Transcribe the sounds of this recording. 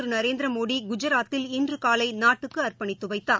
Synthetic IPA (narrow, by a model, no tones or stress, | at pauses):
ɾnɐɾeːnd̪ɾɐmoːɽiɡʊd͡ʒɐɾaːt̪ːɪlɪndrɯkaːlɐɪnaːʈːɯkːɯɐrpɐɳɪːɯʋɐɪt̪ːaː